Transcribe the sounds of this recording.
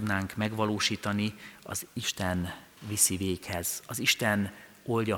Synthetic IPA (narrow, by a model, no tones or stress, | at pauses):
d̪naːŋkmɛɡʋɒloːʃiːt̪ɒniɒ̰ziʃt̪ɛn | visiveːkhɛz̥ɒziʃt̪ɛn | o̞lɟɒ